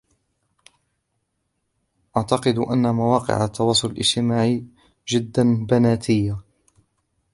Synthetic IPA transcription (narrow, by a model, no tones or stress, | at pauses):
ʔaʕt̪ɑqɨd̪ʔa̰nːamawɑːqɪ̰ʕat̪ːɑwɑːsˤʊlalʔɪ̰d͡ʒt̪ɪmaːʕ | d͡ʒɪd̪ːanbanaːt̪ʰɪjːa